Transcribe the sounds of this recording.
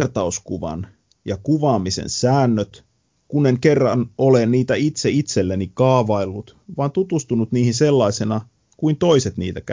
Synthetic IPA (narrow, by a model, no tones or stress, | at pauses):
rt̪ɑuskuʋɑ̰n | jɑkuʋɑːmisḛnsæːnːøt̪ | kunːeŋkerːɑnolenniːt̪æit̪seit̪selːenikɑːʋɑilːut̪ʋɑːnt̪ut̪ust̪unut̪niːhinse̞lːɑisenɑ | kuint̪o̞ise̞t̪nḭːt̪ækæ